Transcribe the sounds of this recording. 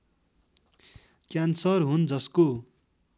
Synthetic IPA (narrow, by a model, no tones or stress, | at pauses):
kjansʌrɦund͡zʌsko